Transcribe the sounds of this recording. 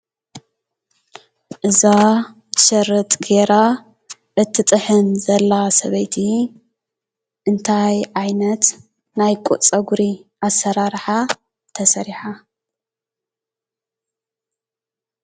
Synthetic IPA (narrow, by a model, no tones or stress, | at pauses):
ʔɨza | ʃɐrɨt̪ʼɡeɾa | ʔɨt̪ʰːɨt̪ʼɨħɨnzɐlːasɐβɐjt̪ʰi | ʔɨnt̪ʰajʕajnɐt̪ | najkʷʼuʔt͡sʼɐɡuɾiʔasːɐɾaɾħa | t̪ʰɐsɐɾiħa